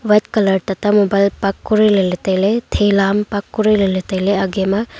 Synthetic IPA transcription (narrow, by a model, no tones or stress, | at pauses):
ʋɐt̪̚kɐlɐɾt̪ɐt̪ɐmobɐlpɐkːuɾilɐlit̪ɐjlet̪ʰeːlaːmpɐkːuɾilɐlit̪ɐjleɐɡemɐ